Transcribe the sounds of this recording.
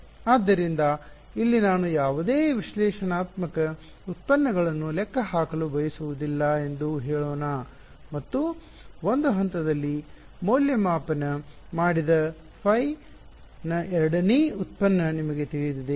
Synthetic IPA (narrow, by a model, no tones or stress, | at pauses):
aːd̪ːɐɾind̪ɐ | ilːinaːnujaːʋud̪eːʋiʃlɛːʃɐnaːt̪mɐkɐ | ut̪̚pɐnːɐɡɐɭɐnːulɛkʰːɐɦaːkɐlubɐjɐsuʋud̪ilːɐe̞nd̪uɦeːɭoːnaː | mɐt̪ːu | ond̪uɦɐnt̪ɐd̪ɐlːi | moːljɐmaːpɐnɐ | maːɽid̪ɐ | pʰɐj | nɐʔɛɾɐɽɐneːut̪̚pɐnːɐnimɐɡe̞t̪iɭit̪id̪e